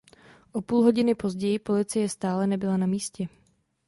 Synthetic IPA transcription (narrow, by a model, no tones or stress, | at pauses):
ʔo̞puːlɦo̞ɟɪnɪpo̞zɟɛjɪpo̞lɪt͡sɪjɛst̪aːlɛnɛbɪlanamiːscɛ